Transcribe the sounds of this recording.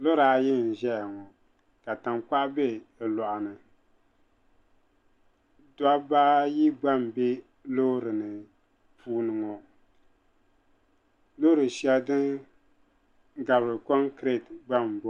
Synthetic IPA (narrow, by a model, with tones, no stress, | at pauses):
lo˦ɾaː˨˦jɪ˦n̩˨ʒɛ˦ja˨ŋɔ˨ | ka˨ta˨mk͡pa˦ʔbɛ˦˨lɔ˨ʔa˨nɨ˨ | da˦baː˦ji˦ɡ͡ba˦m˨be˦ | lo˦ɾɨ˨nɨ˨ | puː˦nɨ˨ŋɔ˨ | lo˦ɾɨ˨ʃɛ˦ldɨ˦n˦ | ɡa˨bɾɨ˨kɔ˦ŋkɾe˦˨tɡ͡ba˦˨mbo˦